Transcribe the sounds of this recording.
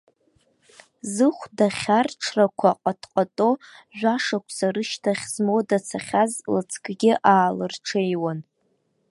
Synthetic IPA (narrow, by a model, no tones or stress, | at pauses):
zɨχʷdaχʲarʈ͡ʂʰrakʷʰaqʼatʰqʼatʼo̞ʒᶣʷaʂakʷʰsaɾɨʃtʰaχʲz̥modat͡sʰaχʲazlɨ̰t͡sʰkʼɡʲɪʔaːlɨrʈ͡ʂʰejwan